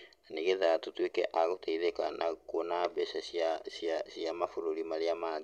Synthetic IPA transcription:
aniɡeðat̪ut̪uekeʔaɡot̪eiðekanʔaukonabesasiasiasiamafuɾulimaliama

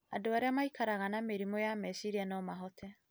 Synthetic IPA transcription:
adoaɾeamaikʰaɾaɣanameɾimɔjamɛsiɾianɔmaɦɔtʰɛ

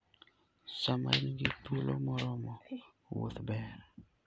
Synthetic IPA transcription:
sama̰inɡitulomɔɾɔmɔ | wo̰t̪bɛɾ

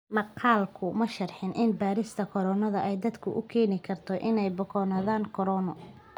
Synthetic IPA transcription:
mɐqʰɑːlkʰʊmɐʃɐrħɪnʔɪnbaːɾɪst̪ʰɐkʰɔɾɔːnɐðɐʔɛjd̪ɐd̪kʰʊʔʊkʰɛːnɪkʰɐrt̪ʰɔʔɪnɛjbɔkʰɔnaːðaːŋkʰɔɾɔːnɔ

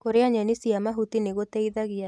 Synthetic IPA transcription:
koɾeaɲanisiamaɦut̪ineɣot̪eiðaɣɪa

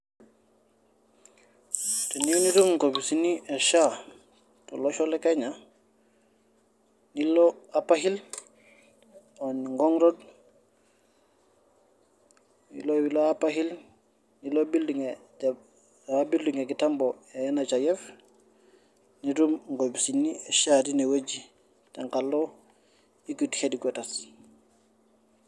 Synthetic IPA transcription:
teniunidumŋkobisinieʃa | toloʃolekaɲa | niloapaɦil | oniŋɡoŋɾod | nḭlowiloapahil | nilobilduŋe | abilduŋekitambo | enat͡ʃajɛf | nidumŋɡobisinːieʃatinewed͡ʒi | teŋkalːo | ikuthediɡetas

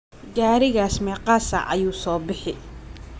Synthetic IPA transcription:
ɡaːɾɪɣaːsmɛːqɑːsɐ̰ʔɐ̰juːsɔːbɪħɪ

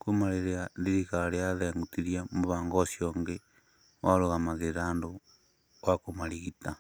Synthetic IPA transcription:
kumaɾeɾeandiɾikaɾeaðeŋɡutiɾjamuβaːŋɡosjoːŋɡe | waloɣamaðeɾaːndo | ɣakomaliɣita

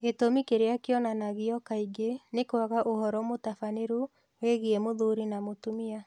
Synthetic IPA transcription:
ɣetomikeɾeakeɔnanaɣiɔkaiɡenekwaɣaʔohɔɾɔmotafaneɾu | weɣiemoðuɾinamotumia

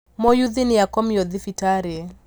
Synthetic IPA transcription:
mojuðɪnɪjakɔmjod̪ɪfitaɾe

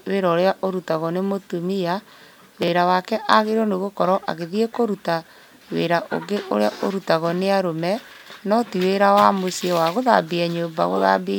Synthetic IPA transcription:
weɾɔoɾeaʔoɾutaɣɔnemotumia | weɾawakɛʔaɣeɾɔneɣokɔɾɔʔa̰ɣeðiekoɾuta | wḛɾaʔo̰ɡeʔoɾeaʔoɾutaɣɔneaɾomɛ | nɔtiweɾawamosiewaɣoða̰biɛɲoːmba̰ɣo̰ða̰bi

